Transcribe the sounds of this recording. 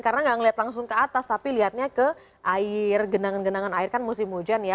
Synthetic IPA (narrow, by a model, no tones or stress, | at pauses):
karənaŋɡaʔŋəliat̪laŋsʊŋkəat̪ast̪apiliɦat̪̚ɲakə | ʔaɪrɡənaŋanɡənaŋanaɪrkanmusɪmud͡ʒanja